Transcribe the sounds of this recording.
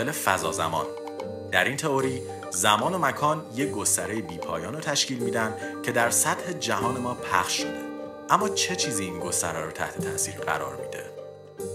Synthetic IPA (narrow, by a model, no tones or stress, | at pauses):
elefæzɒ̰ːzæ̰mɒ̰ːn | d̪̥æɾiːnt̪ʰe̞oɾiː | zæmɒːno̞mækʰɒːnje̞ɡo̞st̪æɾejebiːpʰɒːjɒːnot̪ʰæʃciːlmiːd̪ænd̪cʰe̞d̪æɾsæt̪he̞d͡ʒæɦɒːne̞mɒːpʰæ̰χʃmid̪i | ʔæmːɒːt͡ʃʰe̞t͡ʃʰiːziinɡo̞st̪æɾɒːɾɔt̪ʰæ̰ht̪ʰe̞t̪ʰæʔsiːɾɢæ̰ɾɒ̰ːɾmḭːd̪e